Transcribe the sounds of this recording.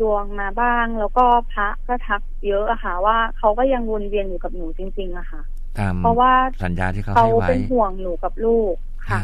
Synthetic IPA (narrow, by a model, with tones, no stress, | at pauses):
du˧əŋmaː˧baː˥˩ŋlɛː˦˥wkɔː˥˩pʰa˦˥ʔkɔ˥˩t̪ʰa˦˥k̚jɤ˦˥ʔa˨˩xa˥˩waː˥˩kʰa˦˥wkɔː˥˩ja˧ŋwu˧nɾi˧ənjuː˨˩ka˨˩p̚nuː˩˦t͡ɕi˧ŋt͡ɕi˧ŋʔa˨˩kʰa˥˩ʔʰ | ɔ˧waː˥˩sa˩˦njaː˧t̪ʰiː˥kkʰa˧˦˧wpe˧nɦu˨˩əŋjuː˨˩˦ka˨˩p̚luː˥˩k̚ʰːa˦˥˩